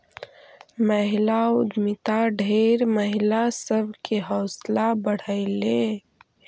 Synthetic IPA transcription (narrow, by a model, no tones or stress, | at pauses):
məɦilaʊd̪mɪt̪aɖʱeɾməɦilasəbʱkeɦɔːslabəɽ̤əɪle